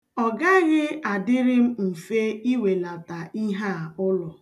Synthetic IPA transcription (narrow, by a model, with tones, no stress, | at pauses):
ɔ˨ɡa˦ɣɪ˦a˨dɪ˦ɾɪ˦m̩˦m̩˨fe˦i˦we˨la˨ta˨i˦ɦa˦˨ʊ˦lɔ˨